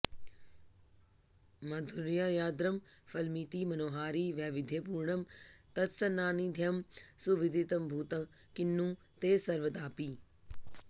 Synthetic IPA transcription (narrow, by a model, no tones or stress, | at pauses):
mɐd̪ʱuɾijajaːd̪ɾɐmfɐlmiːt̪iːmɐnoːɦaːɾiːʋjaːʋɪd̪ʱjepuːɾɳɐmt̪ɐt̪sɐnaːnid̪ʱjɐmsuʋɪd̪ʱit̪ɐmbʱuːt̪ɐ | kɪnːũː | t̪eːsɐɾʋəd̪aːpiː